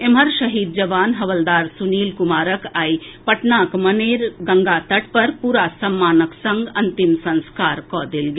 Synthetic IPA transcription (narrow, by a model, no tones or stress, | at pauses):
eməɾʃəɦiːd̪̚d͡ʒəʋaːnɦɐʋəld̪aːɾsuniːlkʊmaːɾəkaːipəʈnaːkməneːɾɡɐ̃ŋɡat̪əʈ̚pɐɾpuːɾasɐmːaːnəksə̃ŋɡɐ̃nt̪imsɐ̃nskaːɾkɔːd̪elɡe